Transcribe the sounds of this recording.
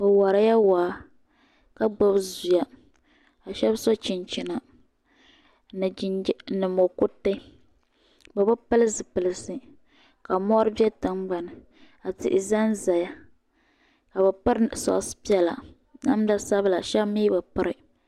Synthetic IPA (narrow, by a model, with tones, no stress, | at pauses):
bɨ˨wa˨ɾa˦ja˦waː˨˦ | ka˦ɡ͡bo˦bzu˨ja˨ | a˨ʃɛ˦bsɔ˦t͡ʃi˨nt͡ʃi˦na˨˦ | nɨ˨mo˨ku˦te˦ | ba˨bʊ˦pɨ˦lɨ˦sɨ˨pɨ˨lɨ˨sɨ˦ | ka˨mɔ˦ɾɨ˦bjɛ˦tɨ˦ŋɡ͡ba˨nɨ˨ | a˨tɪ̰˨ʔɪ˨za˦nza˨ja˦ | ka˨bɛ˨pɨ˦ɾsɔ̰˨ʔʊ˨sɨ̥˦pi˦ɛ˦la̰˨ | na˦m˦da˦sa˦bɨ˦la˨ʃɛ˦bmi˦bɨ˨pɨ˦ɾɨ˨